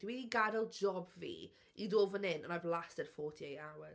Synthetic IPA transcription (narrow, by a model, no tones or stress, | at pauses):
d̥iwidiɡadəlˠd͡ʒɔbvḭː | idoːvənɪnənavlˠastɛd̥fɔːtʰiejawə